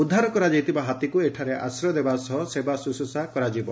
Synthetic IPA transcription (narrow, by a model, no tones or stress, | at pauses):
ud̪ʱːaɾɔkɔɾad͡ʒejt̪ʰibaɦat̪ikueʈʰaɾeʔa̰sɾɔd̪ebasɔsebasusosakɔɾad͡ʒibɔ